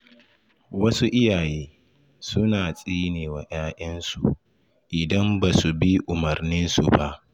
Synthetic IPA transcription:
wɐ˦su˦ʔɪ˦jaː˨jeː˦ | sʊ˦naː˨sʼiː˦neː˨waː˨j̰aː˦ʔɐ˦nsṵ˨ | ʔɪ˨dɐ˦mbaː˨su˨bi˦ʔʊ˨mɐ˨rnɪ˦nsṵ˨ba˦ʔ

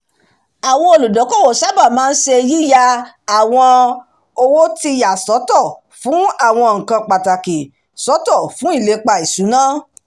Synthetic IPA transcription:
a˨w̃ɔ̃˧o˧lu˨dɔ˨˦kɔ˦˨wo˨sa˦ba˦˨mãː˦n̩˦ʃe˧ji˦ja˧ | a˦˨w̃ɔ̃˧ | o˧wo˦ti˧ja˨sɔ˨˦tɔ˦˨ | fũ˨˦a˦˨w̃ɔ̃˧ŋ̩˨kã˧k͡pa˨ta˨ke˨ | sɔ˨˦tɔ˦˨fũ˨˦i˦˨le˨˦k͡pa˧i˨su˨˦nãː˦

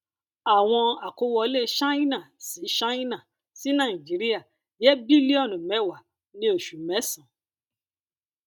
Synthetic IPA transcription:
a˨w̃ɔ̃˧a˨ko˨˦wɔ˧˦le˦ʃa˦i˦nã˦˨si˨˦ʃa˦ĩ˦nã˨ | si˨˦nã˦˨ĩ˨d͡ʒi˨˦ɾi˦a˦˨ | jɛ˦bi˦li˦ɔ˦˨nũ˨mɛ̃˨˦˨wa˨ | nĩ˧˦o˦˨ʃu˨mɛ˨˦sã˨˦

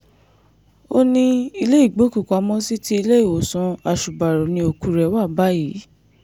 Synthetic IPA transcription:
o˦nĩ˧i˧le˦i˦˨ɡ͡bo˨˦ku˨ka˨˦mɔ̃˦si˦ti˦i˧le˦i˦˨wo˨sɔ̃˨˧a˨ʃu˨ba˨ɾo˨nĩ˧o˧ku˨˦ɾɛ˧˦wa˦˨ba˦ji˨˦

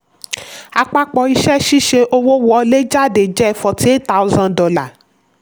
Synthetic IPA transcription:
a˧k͡pa˦k͡pɔ˧i˧ʃɛ˦ʃi˦ʃe˧ʔo˧wo˦wɔ˦le˦d͡ʒa˦˨de˨d͡ʒɛ˦ɛ˧˨fɔ˧ti˦e˦ta˦u˦zã˧dɔ˧˦la˨

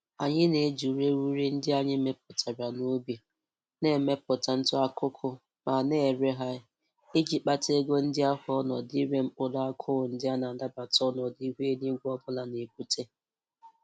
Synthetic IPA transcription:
a˨ɲɪ˦ne˨˦d͡ʒu˨ɾe˦ɾu˦ɾi˦n̩˦dɪ˦a˦ɲɪ˦me˦p̚ʊ˨tʰa˨ɾa˨no˦bja˨ | ne˦˨me˦pʊ˨ta˨n̩˦tʊ˦a˦kʰʊ˦kʰʊ˦ | ma˨ne˦˨ɾe˦ɦa˦ | e˦d͡ʒi˨k͡pa˦te˦ɡo˦n̩˦dɪ˦a˦ɦʊ˨ɔ˦nɔ˨di˦ɾe˦m̩˦k͡pʊ˦la˦a˦kʰʊ˦ɣʊ˨n̩˦dɪ˦a˦na˨n̩˨da˦ba˨tɔ˦nɔ˨di˦ɦʷe˦ni˦ɡʷɔ˦bʊ˦la˨ne˨pu˦tʰe˦

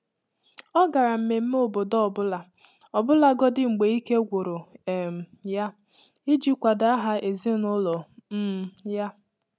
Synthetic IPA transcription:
ɔ˦ɡa˨ɾa˨m̩˨me˨m̩˦m˦o˨bo˨dɔ˦ɔ˨bʊ˦la˨ | ɔ˨bʊ˦la˨ɡɔ˦dɪ˦ŋ͡m̩˨ɡ͡be˨i˦ke˦ɡʷo˨ɾo˨m̩˨ja˦ | i˦d͡ʒi˦kʷa˨da˨˦a˦ɦa˦ʔe˨ze˦nʊ˦lɔ˨˦ | ja˦

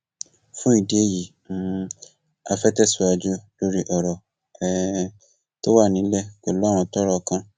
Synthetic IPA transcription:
fũ˦i˦˨di˨e˦ji˨ | mũ˨˦ | a˧fɛ˦tɛ˦˨su˨a˧d͡ʒu˦lo˦ɾi˦ʔɔ˨ɾɔ˨ | ɛ˦ | to˦wa˦˨nĩ˨˦lɛ˦˨klɔ˦ɾ̃ũ˧tɔ˦ɾɔ˦kã˦

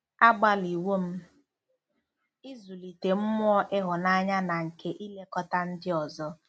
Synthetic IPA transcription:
a˦ɡ͡ba˦li˨wo˦m̩˦ | ɪ˦zu˨li˨te˨m̩˦mʊ˦ɔ˦ʔɪ˦ɦʊ˨na˦ɲa˦na˨ŋ̩˨kʰe˦ʔi˦le˦kɔ˦ta˦n̩˦dɪ˦ɔ˨zɔ˦

